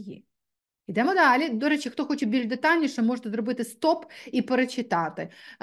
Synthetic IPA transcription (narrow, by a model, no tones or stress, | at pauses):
jḭ | id̪ɐmod̪alʲid̪oɾɐt͡ɕɪkt̪oxot͡ɕɪt̪̚bʲɪɾʲɪd̪ɐt̪anʲːɪʂəmoʐɨt̪ɐd̪ɾʊbɨt̪ɨst̪opipəɾət͡ɕɪt̪at̪ɨ